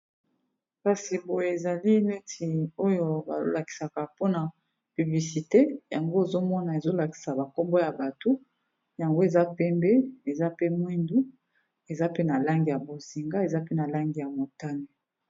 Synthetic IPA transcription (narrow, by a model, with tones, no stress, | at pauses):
ka˨si˨bo˨je˨e˨za˨li˦ne˦tʰi˨o˦jo˦ba̰˨lo̰˦la˨ki̥˨sa˨ka˨po˦na˨ | py˨bli˨si˨te˦ja˨ŋɡo˦e˨zo˦mɔ˦na˨e˨zo˦la˨ki̥˨sa˨ba˨ko˦mbo˦ja˨ba˨to˦ | ja˨ŋɡo˦e˨za˦pɛ˦mbɛ˦e˨za˦pe˦mwi˦ndu˦ | e˨za˦pe˦na˨la˦ŋɡi˨ja˨bo˨zi˨ŋɡa˦e˨za˦pe˦na˨la˦ŋɡi˨ja˨mo˨ta˦ne˨